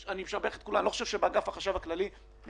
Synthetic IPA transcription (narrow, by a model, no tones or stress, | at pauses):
aniemʃaʁbeae̥t̪̚kulanloχoʃevʃebaɡafaχaʃavaklali